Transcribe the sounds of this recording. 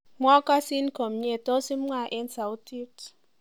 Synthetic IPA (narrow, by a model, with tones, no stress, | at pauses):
mwɔ˦ka˦si˦n˦ko˨m̩˨ɲe˦˨to˦si˦m̩˦ŋa˦˨ʔe˦n˦sa˨u˦ti˦t